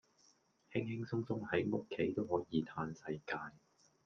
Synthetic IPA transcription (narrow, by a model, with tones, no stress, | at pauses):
hɪ˥ŋhɪ˥ŋsʊ˥ŋsʊ˥ŋhɐ˨˥jŋʊ˥kʰːe˨˥jt̪o˥whɔː˨˥jiː˨˧t̪ʰaː˧nsɐ˧jkaː˧j